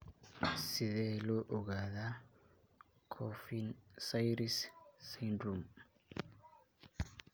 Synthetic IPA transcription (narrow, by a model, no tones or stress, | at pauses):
siðɛlɔʔuɡaða | kʰɔfinsajɾisːindɾum